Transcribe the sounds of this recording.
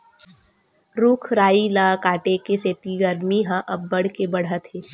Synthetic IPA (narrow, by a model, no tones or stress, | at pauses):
ɾuːkʰɾaːilaːkaːʈekeseːt̪iɡəɾmiɦãʔɐbːɐɽ̤kebɐɽ̤at̪ɦeː